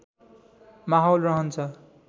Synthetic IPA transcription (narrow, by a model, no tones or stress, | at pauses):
maɦʌlrʌɦʌnt͡sʰʌ